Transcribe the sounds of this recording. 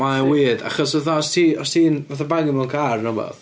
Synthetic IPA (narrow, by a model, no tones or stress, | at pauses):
mawiːda̰χɔsvaθaɔstʰiːɔstʰiːnvaθabaɡɪmɛnkʰarnɔbɔ̰ð